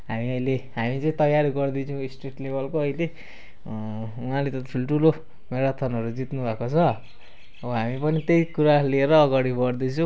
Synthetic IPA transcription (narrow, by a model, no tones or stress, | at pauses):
ɦamiʌjleɦamit͡sʌĩt̪ʌjaɾiɡʌrd̪it͡sʰʌ̃w̃isʈriʈlebʱʌlkoʌjle | uɦãlet̪ʌt̪ʈʰulʈʰulo | meɾat̪ʰʌnʌɾud͡zit̪nubʱakot͡sʰʌ | ʌʌɦamipʌnit̪ejkuɾalieɾʌːɡaɽibʌɽd̪it͡sʰʌw̃